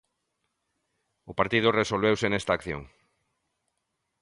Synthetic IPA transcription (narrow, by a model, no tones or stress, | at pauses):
ʊpaɾt̪iðʊresolβ̞ewsenest̪aːkθjo̰ŋ